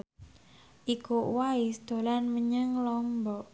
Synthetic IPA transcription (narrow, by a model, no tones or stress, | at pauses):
ʔikuʔwaisd̪̥o̤lanməɲəŋlɔmbɔʔ